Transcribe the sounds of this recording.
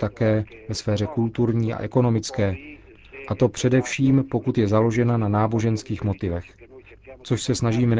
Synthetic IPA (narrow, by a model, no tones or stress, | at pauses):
t̪akɛː | vɛsfɛːɾ̝ɛkult̪uɾɲiːa̰ʔɛko̞no̞mɪt͡skɛː | ʔat̪o̞pr̝̥ɛdɛfʃiːmpo̞kut̪jɛzalo̞ʒɛnananaːboʒɛnskiːxmo̞t̪ɪvɛx | t͡so̞ʃsɛsnaʒiːmɛn